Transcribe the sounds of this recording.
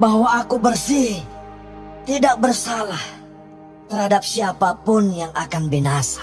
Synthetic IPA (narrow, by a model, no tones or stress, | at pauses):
bahwaːkubərsih | t̪idak̚bərsalah | t̪əɾhadap̚siapapʊnjaŋʔakanbinasḁ